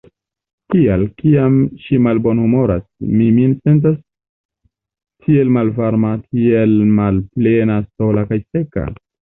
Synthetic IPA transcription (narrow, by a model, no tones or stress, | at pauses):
kialkiamʃimalbo̞nhumo̞ɾasmiminse̞nt̬as | tʰie̞lmalvaɾmatʰielmalplenaso̞lakajse̞ka̰